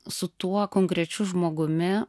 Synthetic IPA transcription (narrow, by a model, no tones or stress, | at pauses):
sʊt̪uɔkoːŋkɾʲɛt͡ʃʲʊʒmoːɡʊmʲɪ